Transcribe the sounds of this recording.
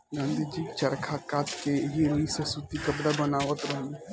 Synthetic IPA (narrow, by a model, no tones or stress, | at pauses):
nə̃nd̪id͡ʒiːt͡ʃɐɾkʰakaːt̪keɦinisesut̪ikəbɽabənaːʋət̪ɾɐɦə̃n